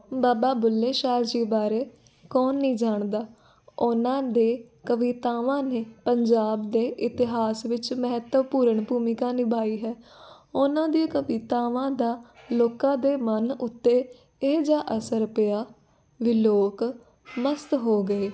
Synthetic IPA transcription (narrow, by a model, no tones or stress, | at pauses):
baːbaːbʊlːeːʃaːɾd͡ʒiːbaːɾeː | kɔːnːĩːd͡ʒaːɳd̪aː | ʊnãːd̪eː | kəʋit̪aːʋãːneːpəɲd͡ʒaːbd̪eːʔɪt̪ɪɦaːsʋɪt͡ʃmɛɦət̪əʋpuːɾəɳbuːmɪkãːnɪbaːiːɦɛː | ʊnãːd̪iaːkəʋiːt̪aːʋãːd̪aːloːkãːd̪eːmənʊt̪ːeː | eːd͡ʒaːʔəsəɾpɪjaː | ʋɪloːk | məst̪ɦoːɡəeː